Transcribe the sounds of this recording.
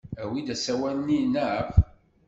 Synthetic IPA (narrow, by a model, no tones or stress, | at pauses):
æwid̪æsæwænnːinaʕəp